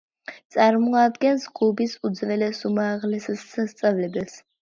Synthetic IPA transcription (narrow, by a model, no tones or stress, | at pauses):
t̪sʼaɾmɔad̪ɡɛnsɡʰʼubisud̪zvɛlɛsumaʁlɛsɛsast̪sʼavlɛbɛls